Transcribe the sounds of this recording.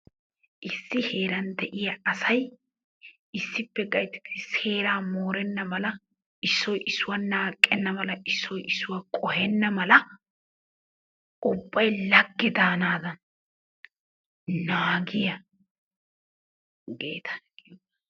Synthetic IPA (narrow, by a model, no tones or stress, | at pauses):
ʔɪsːɪhe̞ːɾɐnd̪ɛʔɪjɐʔɐsɐj | ɪsːɪpːɛɡɐjt̪ɪ̥t̪ːɪse̞ːɾaːmoːɾɛnːɐmɐlɐ | ɪsːɔjʔɪsːʊwanaːkʼːɛnːɐmɐlɐʔɪsːɔjʔɪsːʊwakʼɔhɛnːɐmɐlɐ | ʊbːɐjlɐɡːɪd̪aːnaːd̪ɐn | naːɡɪjɐ | ɡe̞̰ːt̪ʰɐ̥